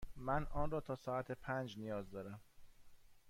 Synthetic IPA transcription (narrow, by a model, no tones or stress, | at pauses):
mænɒːnrɒːt̪ʰɒːsɒːæt̪ʰepʰænd͡ʒnijɒːzd̪ɒːɾæm